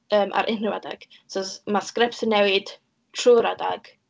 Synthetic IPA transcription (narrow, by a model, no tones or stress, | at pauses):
əːmʔa̰ɾʔɪnrɪwada̰ɡ̥ | sɔsmaskrɪpsənːɛwɪd̥ | tʰruːɾada̰ɡ̥